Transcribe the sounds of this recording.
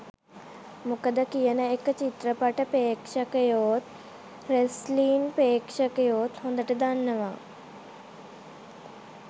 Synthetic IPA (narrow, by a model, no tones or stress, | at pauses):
mʊkəd̪ɐkijənɐekt͡ɕit̪ɾəpɐʈɐpeːkʃɐkɐjoːt̪ | ɾesliːnpeːkʃɐkɐjoːt̪ɦũːnd̪ɐʈɨd̪anːɐʋã̰ː